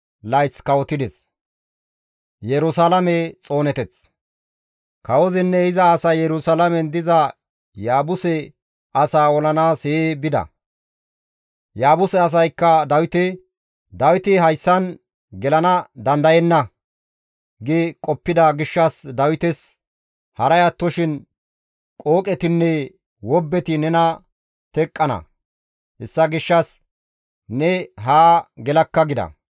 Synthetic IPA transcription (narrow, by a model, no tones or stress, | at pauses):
lɐjt͡skɐwɔt̪ːɪd̪ɛs | jɛɾʊsalɐmɛt͡sʼo̞ːnɛt̪ɛt͡s | kɐwɔzɪnːɛɪzɐːsɐjjɛɾʊsalɐmɛnd̪ɪzɐ | jaːbʊsɛ | ɐsaːwɔlɐnaːseebɪd̪ɐ̰ | jaːbʊsɛɐs̬ɐjkːɐd̪ɐwɪt̪ɪ | d̪ɐwɪt̪ɪɦɐjsːɐn | ɡɛlɐnɐd̪ɐnd̪ɐjɛnːɐ | ɡekʼɔpːɪd̪ɐɡɪʃːɐsd̪ɐwɪt̪ɛs | hɐɾɐjat̪ːɔʃɪn | kʼoːkʼɛt̪ɪnːɛ | wɔbːɛt̪ɪnɛnɐ | t̪ɛkʼːɐnɐ̰ | hɛsːɐɡɪʃːɐs | nɛɦaːɡɛlɐkːɐɡɪd̪ɐ̰